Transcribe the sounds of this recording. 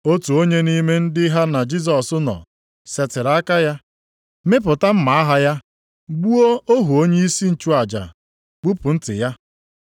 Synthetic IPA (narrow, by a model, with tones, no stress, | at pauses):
o˦tu˨o˦ɲe˦ni˦me˦n̩˦dɪ˦ɦa˦na˨d͡ʒi˦s̬ɔ˨sʊ˦nɔ̰˨ | se˨tɪ˨ɾa˦ka˦ja˦ | me˦p̬ʊ˨ta˦m̩˦ma˨a˦ɦa˦ja˦ | ɡ͡bu˦o˦o˦ɦu˨o˦ɲe˦i˦si˦n̩˨t͡ʃu˦a˨d͡ʒa̰˨ | k͡pu˦pʊ˨n̩˦tɪ̰˨ja˦